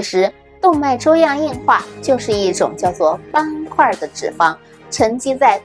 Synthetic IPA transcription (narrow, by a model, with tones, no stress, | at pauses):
ʂɻ̩˧˥ | t̪ʊ˥˧ŋma˥˩ɪʈ͡ʂo˥ʊjɑ˥˧ŋi˥˧nxwa˥˩t͡ɕjo˥˧ʊʂɻ̩˥˧i˥˩ʈ͡ʂʊ̰˨˩ŋt͡ɕjɑ˥˧ʊt͡swɔ˥˩pa˥nkʰwa˥˩d̪ə˩ʈ͡ʂɻ̩˨˩fɑ˥ŋ | ʈ͡ʂʰə˧˥ŋt͡ɕi˥t͡sa˥˩ɪ